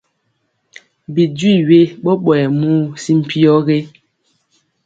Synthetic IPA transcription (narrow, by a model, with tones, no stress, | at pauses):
bi˨dwi˦˨ɥe˦ɓɔ˦ɓɔ˨ɛ˨muː˦si˦m̩˨pʰi˦ɔ˦ɣe˦